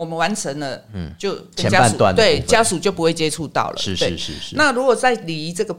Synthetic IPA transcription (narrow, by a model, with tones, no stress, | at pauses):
wɔ˨˩mə˦nwa˧˦nt͡sʰə˧˦ŋd̪ə˧˩t͡ɕjo˥˨ʊkt͡ɕɛ˧˦t͡ɕja˥a˥˨nu˨˩t̪wa̰˥˨nt̪e˥˩ɪt͡ɕt͡ɕja˦su˨t͡ɕjo˥˩ʊp̬u˧˥we˥˩ɪt͡ɕjɛ˦ʈ͡ʂʰu˥˧t̪ɑ̰˥˩ʊlə̰˨˥˧wḛ˥˩˥na˥˨ɻu˧˥kwɔ˨˩t͡sa˥˩ɪli˨˩i˧˦t͡sɤ˥˩ɡə˨˩